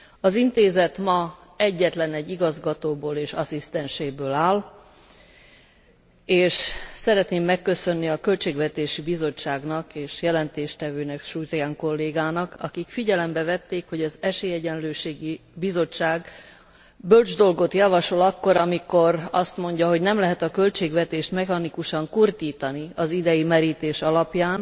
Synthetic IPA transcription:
ɒzint̪eːzɛt̪mɒɛɟːɛt̪lɛnɛɟːiɡɒzɡɒt̪oːboːleːʃɒsist̪ɛnʃeːbøːlaːl | eːʃsɛɾɛt̪neːmːɛkːø̞sø̞nːiɒkø̞lt͡ʃeːɡvɛt̪eːʃibizo̞t͡ʃːaːɡnɒkeːʃjɛlɛnt̪eːʃt̪ɛvøːnɛkʃujt̪jaŋko̞lːeːɡaːnɒkɒ̰kikfiɟɛlɛmbɛvɛt̪ːeːkho̞ɟɒzɛʃeːjɛɟɛnløːʃeːɡibizo̞t͡ʃːaːɡ | bøld͡ʒd̪o̞lɡo̞t̪jɒvɒʃo̞lɒkːo̞ɾɒmiko̞rɒst̪mo̞ɲɟɒɦoɟnɛmlɛɦɛt̪ɒkø̞lt͡ʃeːɡvɛt̪eːʃt̪mɛxɒnikuʃɒŋkurd̪iːt̪ɒniɒzid̪ɛjimɛɾiːt̪eːʃɒlɒpjaːn

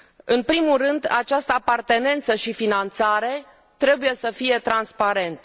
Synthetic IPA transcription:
ɨnpɾimulrɨnd̪a̰t͡ʃast̪əapart̪e̞ne̞nt̪səʃifinant̪saɾe̞ | t̪ɾe̞buje̞səfije̞t̪ɾanspaɾe̞nt̪ə

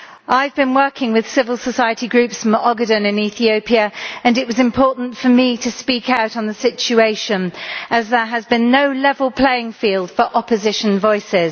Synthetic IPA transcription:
ʔaɪvbĩnwɜˑkʰɪ̃ŋwɪð̥sɪvəlˠsəsaɪətiɡɹʉˑpsə̃mɑɡədə̃nɪ̃niˑθiəʊpʰiəə̃nɪʔwɒzɪ̃mpʰɔˑʔn̩tfəmitʰəspiˑkaʊtn̩ðəsɪt͡ʃueɪʃə̃nʔəzðəəzbĩnːəʊlɛvəlˠpʰl̥eɪɪ̃ŋfiːlˠd̥fəɹʔɒpəzɪʃə̃nvɔɪsɪz̥

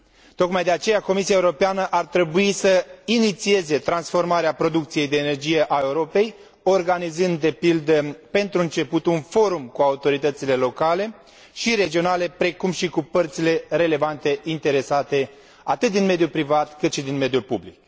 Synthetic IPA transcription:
t̪o̞kmajd̪e̞at͡ʃe̞jako̞misiaeuɾo̞peanəʔart̪ɾe̞buisəinit̪sie̞ze̞t̪ɾansfo̞rmaɾeapɾo̞d̪ukt̪sije̞jd̪e̞ːne̞rd͡ʒije̞ʔae̞uɾo̞pe̞j | o̞rɡanizɨnd̪ːe̞pild̪əpe̞nt̪ɾuɨnt͡ʃe̞put̪unfo̞ɾumkuaut̪o̞ɾit̪ət̪sile̞lo̞kale̞ | ʃiɾe̞d͡ʒio̞nale̞pɾe̞kumʃikupərt̪sile̞ɾe̞le̞vant̪e̞int̪e̞ɾe̞sat̪e̞ | a̰t̪ɨt̪̚d̪inme̞d̪ijulpɾivat̪kɨt̪ʃid̪inme̞d̪ijulpublik

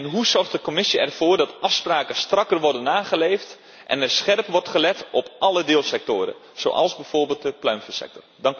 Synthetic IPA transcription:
nɦuzɔrχtdəkomɪsiɛ̰rfoːrdɑtɑfspraːkəstrɑkərʋɔrdənaːχəleːft | ʔɛ̰nɛrsχɛrpʋɔrtχəlɛtɔpʔɑlədɪːlˠsɛk̚toːɾə̰ | z̥o̰ːʔɑ̰lˠzbɛjv̥orbɪːlˠt̚dəplœɥmfəsɛ̰k̚tɔrd

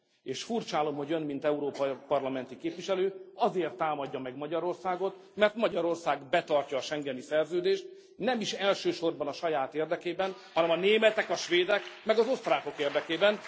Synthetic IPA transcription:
eːʃfurt͡ʃaːlo̞mho̞ɟønmint̪ɛuɾoːpɒpɒrlɒmɛnt̪ikeːpʋiʃɛløːɒzeːrt̪ːaːmɒɟːɒmɛɡmɒɟɒɾo̞rsaːɡo̞t̪ | mɛrt̪mɒɟɒɾo̞rsaːɡbɛt̪ɒrcɒːʃɛŋɡɛnisɛrzøːd̪eːʃt̪̚ | nɛmiʃɛlʃøːʃo̞rbɒnɒʃɒjaːt̪eːrd̪ɛkeːbɛnhɒnɛmɒneːmɛt̪ɛkɒʃʋeːd̪ɛkmɛɡɒzo̞st̪raːko̞keːrd̪ɛkeːbɛn

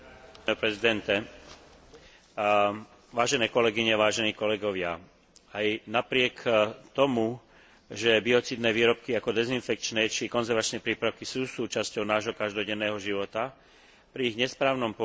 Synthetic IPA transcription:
ɛpɾɛzid̪ɛnt̪ɛ | ʋaːʒɛnɛːkɔlɛɡiɲɛʋaːʒɛniːkɔlɛɡɔʋɪa̰ | ajnapɾɪɛkt̪ɔmu | ʒɛbiɔt͡siːd̪nɛːʋiːɾɔp̚kiakɔd̪ɛzinfɛk̚t͡ʃnɛt͡ʃikɔnzɛɾʋat͡ʃnɛpɾiːpɾaʊkisuːsuːt͡ʃascɔʊnaːʒɦɔkaʒd̪ɔɟɛnːɛːɦɔʒiʋɔt̪a | pɾiːɣɲɛspɾaːʊnɔmpɔ

